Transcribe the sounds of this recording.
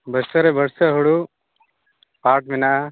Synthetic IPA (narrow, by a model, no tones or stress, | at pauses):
bɐɾsɐɾebɐɾsɐɦuɽu | paːʈmina